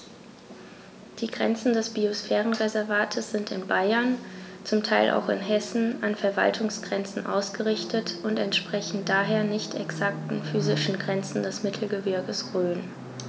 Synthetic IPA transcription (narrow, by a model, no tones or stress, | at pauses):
d̥iːɡʁɛ̰nt͡sn̩dɛsb̥iosfɛːʁ̞ən̩ʁezɛɐvaːtʰəsz̥ɪntɪ̰nbaɪɐnt͡sʊmtʰaɪlʔa̰ʊxɪ̰nɦɛsn̩anfɛɐva̰ltʰʊŋsɡ̥ʁɛnt͡sn̩ʔa̰ʊsɡ̥əʁɪçtʰətʔʊntɛntʃpʁ̥ɛçn̩d̥aːɦeːɐnɪçtʰɛksak̚tn̩fyːzɪʃn̩ɡʁɛnt͡sn̩dɛsmɪtʰl̩ɡəvɪɐɡəsʁøːn